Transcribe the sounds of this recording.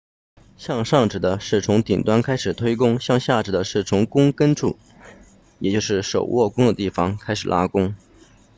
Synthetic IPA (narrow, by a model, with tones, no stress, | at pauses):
ɕjɑ˥˧ŋʂɑ˥˩ŋʈ͡ʂɻ̩˨˩d̪ə˦ʂɻ̩˥˩t͡sʰʊ˧˥ŋt̪i˨˩ŋt̪wa˥nkʰa˥ɪʂɻ̩˨˩t̪ʰwe˥ɪk̬ʊ˥ŋɕjɑ˥˧ŋɕja˥˩ʈ͡ʂɻ̩˨˩d̪ə˦ʂɻ̩˥˩t͡sʰʊ˧˥ŋkʊ˥ŋkə˥nʈ͡ʂʰu˥˩ | jɛ˨˩t͡ɕjo˥˧ʊʂɻ̩˥˩ʂo˨˩ʊwʔɔ˥˩kʊ˥ŋd̪ə˨t̪i˥˩fɑ˨˩ŋkʰa˥ɪʂɻ̩˨˩lʔa̰˥kʊ˥ŋ